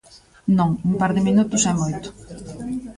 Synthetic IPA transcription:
nõŋumpaɾðɪmĩnut̪ʊsajmojt̪ʊ̥

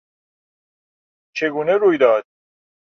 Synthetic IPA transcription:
t͡ʃʰeɡuːneɾuːjd̪ɒːd̪̥̚

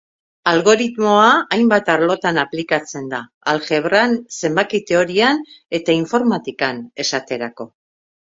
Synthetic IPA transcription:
alɣo̞ɾit̪mo̞aːjmbat̪aɾlo̞t̪anaplikat͡se̞nd̪aːlxe̞βɾanse̞mbakit̪e̞o̞ɾiane̞t̪aiɱfo̞ɾmat̪ikane̞sat̪e̞ɾako̞

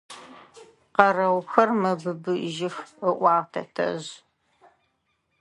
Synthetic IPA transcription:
qɐrɐwxɐrmɐbɨbɨʒɪxəʔʷɑːʁtʰɐ̰tʰɐ̰ʑ

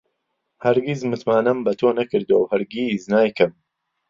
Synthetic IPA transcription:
hɐɾɡizmɨt̪maːnɐmbɐt̪ʰoːnɐkɨɾd̪uwowhɐɾɡiznaːjkɐm

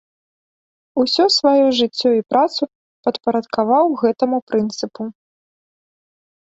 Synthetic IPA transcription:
usʲɔsvajuʐɨt͡sʲːɔipɾʔat̪su | pɐt̪pɐɾɐt̪kavawɣɛt̪ɐmupɾɨnt̪sɨpu

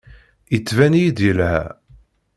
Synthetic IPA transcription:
jət͡sːvænijid̪jəlhæ̰

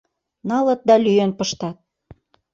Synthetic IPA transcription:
nɑlɤ̆t̪̚d̪ɑlyjønpəʃt̪ɑt̪̚

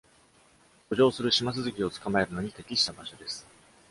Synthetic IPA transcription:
ko̞ʑo̞ːsɨɾɯ̟ɕimasɨzɨkʲio̞t͡sɨ̥kamae̞ɾɯno̞ɲ̟it̪e̞kʲiɕi̥t̪abaɕo̞d̪e̞sɨ̥

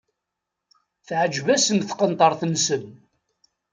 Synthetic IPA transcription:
θʕəd͡ʒvæsənθqənt̪ˤɑɾˤθənsən

